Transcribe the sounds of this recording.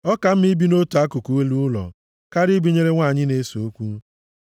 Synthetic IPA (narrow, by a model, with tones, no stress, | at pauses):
ɔ˦ka˨m̩˦mi˦bi˦no˦tu˨a˦ku˨ku˨we˦lu˦lɔ̰˨ | ka˦ɾi˦bi˦ɲe˦ɾe˦ŋʷa˦˨ɲɪ˦ne˨˦so˨o˦kʷu˦